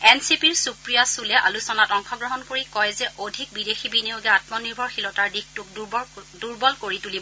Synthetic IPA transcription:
ɛnsipiɹsukɹijasulɛʔa̰lusɔnatɔŋxɔɡɹɔɦɔnkoɹikɔjzɛʔodʱik̚bidexibinioɡɛatmɔniɹbʱɔɹxilɔtaɹdixtʊk̚duɹbɔlkoɹitulibɔ

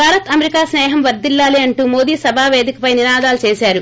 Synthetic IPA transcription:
bʱaːɾɐt̪ɐmeɾikaːsnɛːɦɐmʋɐɾd̪ilːaːliɐɳʈuːmo̞ːd̪iːsɐbʱaːʋeːd̪ikɐpɐjninaːd̪aːlut͡ʃeːsaːɾu

